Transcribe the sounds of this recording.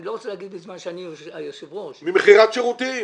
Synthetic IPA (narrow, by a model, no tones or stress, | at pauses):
loʁot͡selaɡid̪bezmanʃeaniojoʃevʁoʃmimeχiʁat̪ʃeʁut̪i